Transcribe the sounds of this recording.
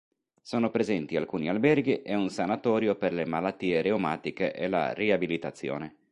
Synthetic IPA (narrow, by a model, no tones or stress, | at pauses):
soːnopɾezɛnt̪ialkuːnialbɛrɡiʔɛunsanat̪ɔːɾjoperlemalat̪ːiːeɾeomaːt̪ikḛʔela̰riabilit̪at̪sːjo̰ːne